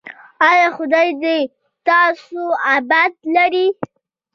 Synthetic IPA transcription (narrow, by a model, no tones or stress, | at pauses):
ɑjɑxʊd̪ɑjd̪e | t̪ɑsoabad̪laɾi